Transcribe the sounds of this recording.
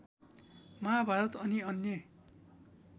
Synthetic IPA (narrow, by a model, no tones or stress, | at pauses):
mabʱaɾʌt̪ʌniʌnjʌ